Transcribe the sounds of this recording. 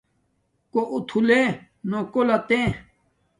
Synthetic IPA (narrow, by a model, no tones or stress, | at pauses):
koʔut̪ʰule | nokolat̪ẽ